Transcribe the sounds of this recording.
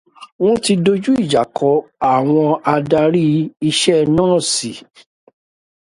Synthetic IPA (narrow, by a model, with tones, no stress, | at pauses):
w̃ɔ̃˦ti˧do˧d͡ʒu˦i˦˨d͡ʒa˨kʰɔ˨˦a˨w̃ɔ̃˧a˧da˧ɾi˦i˧ʃɛ˦nãː˦˨si˨